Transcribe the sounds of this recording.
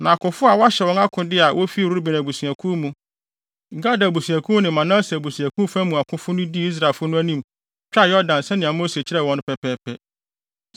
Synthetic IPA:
nã˨kʰʊ̃˨fʊ˦a˨wɔ˦a˦ɕɛ˨wɔ̃˦na˦kʰʊ̃˦dɪ˦a˨wʔo˦fi˦˨ɾu˦bɛ˨næ˨bu˨si˨æ˨kʰũ˦mũ˨ | ŋ̩˨ɡa˦da˨bu˨si˨æ˨kʰũ˦nɪ̃˨mã˨nã˦sɛ˨bu˨si˨æ˨kʰũ˦fã˦mũ˨a˨kʰʊ̃˦fʊ˦nʊ̃˦di˦i˦s̬ɾa˨ɪ˨fʊ˦nʊ̃˦æ˦nĩ˦˨m | t͡ɕᶣa˦˨jɔ˦ɾdã˨nsɛ˦nɪ̃˨a˨mo˦se˨t͡ɕʰɪ˦ɾɛ˨wɔ̃˦nʊ̃˦pʰɛ˦pʰɛː˦pʰɛ˦

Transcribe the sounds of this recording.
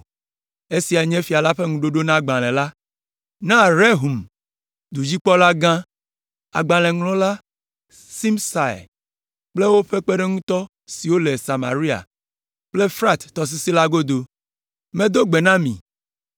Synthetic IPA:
e˦si˨a˨ɲɛ̃˦fi˨a˨la˦ɸe˦ŋũ˨ɖo˦ɖo˦nã˦ɡ͡bã˨l̃ɛ̃˨la˦ | nã˦ɾe˦ɦu˨m | d̪u˨d͡ʑi˦k͡pɔ˦la˦ɡã˦ | a̰˨ɡ͡bã˨lɛ̃˨ŋlɔ̃˦la˦ | si˦msa̰˨j̰ | k͡ple˦wo˦ɸe˦k͡pe˦ɖe˦ŋũ˦t̪ɔ˦ | si˨wo˦le˨sa˨ma̰˨ɾi˦a̰˨ | k͡ple˦fɾa˦t̪ːɔ˨s̬i˦si˦la˦ɡo˦d̪o˨ | mẽ˦d̪o˦ɡ͡be˨nã˦mḭ̃˨

